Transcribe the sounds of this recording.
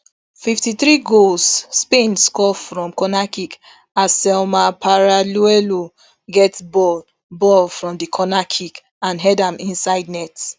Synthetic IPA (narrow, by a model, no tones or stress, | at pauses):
fiftiθɹiɡolsːpẽnskɔfɹɔ̃mkɔnakik | asɛlmapʰaɹaluɛlo | ɡɛtbɔ | bɔlfɹɔ̃mdikʰɔnakʰik | ãnɦɛdãmĩnsaɪdnɛt